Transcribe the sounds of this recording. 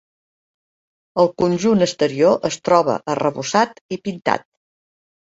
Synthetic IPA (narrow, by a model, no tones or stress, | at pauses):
əlˠkunʲʒunəst̪əɾioʔəst̪ɾɔβə̰ʔərəβusat̪ipint̪a̰t̪̚